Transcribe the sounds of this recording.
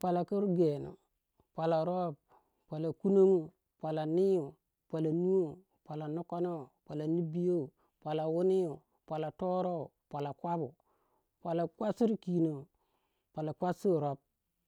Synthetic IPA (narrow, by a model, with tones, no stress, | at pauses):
pʷa˨la˨ki˦ɾɡe˨no̰˨ | pʷa˨la˨ɾo˦˨b̚ | pʷa˨la˨ku˦no˦ŋu˦˨ | pʷa˨la˨ni˦ju˨ | pʷa˨la˨nu˦o˦ | pa˨la˨nu˦ko˦no˦˨pa˨la˨ni˦bi˦jo˦˨ | pʷa˨la˨wu˦ni˦u˨ | pa˨la˨to˦ɾo˦˨pʷa˨la˨kʷa˦bu˨ | pʷa˨la˨kʷa˦si˦ɾki˨no˨ | pa˨la˨kʷa˦si˦˨ɾo˦b̚